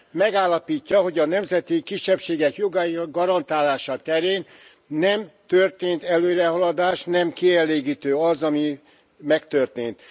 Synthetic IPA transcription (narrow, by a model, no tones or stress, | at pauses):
mɛɡaːlːɒpiːcːɒɦo̞ɟɒnɛmzɛt̪ikiʃːɛpʃeːɡɛkjo̞ɡɒiɡɒɾɒnt̪aːlaːʃɒt̪ɛɾeːn | nɛmt̪ørt̪eːnt̪ɛløːɾɛɦɒlɒd̪aːʃnɛmkiɛleːɡiːt̪øːɒzɒmi | mɛkt̪ørt̪eːnt̪